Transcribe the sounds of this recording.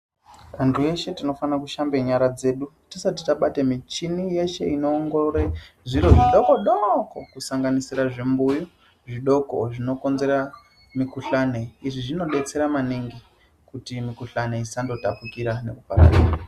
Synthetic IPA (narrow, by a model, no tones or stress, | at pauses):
antʰue̞ʃe̞tino̞fanakuʃambeɲaɾad͡ze̞ːɗutisatitaɓatemit͡ʃinije̞ʃe̞ino̞ːŋɡooɾeʐiɾoʐiɗo̞koɗoko̞kusaŋɡanisiɾaʐimbujo | ʐiɗo̞ko̰ʐino̞ko̞nze̞ɾa | mikuɬaneiʐiʐino̞ɗe̞t͡se̞ɾamaniŋɡi | kutimikuɬaneisando̞tapukiɾane̞̰kupa̰ɾa̰ːɗa̰